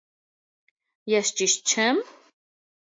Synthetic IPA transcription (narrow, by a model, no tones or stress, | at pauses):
jɛst͡ʃiʃt̪t͡ʃʰɛm